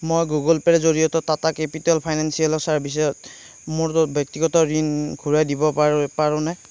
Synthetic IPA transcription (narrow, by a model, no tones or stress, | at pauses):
mojɡuɡɔlpɛɹɛzoɹijɔtɔtatakepitalpʰajnansijalɔsaɹbis̬ɔjɔt | moɹtʊbjɔk̚tiɡɔtɔɹinɡʰʱuɹajdibɔapaɹʊ̃nɛ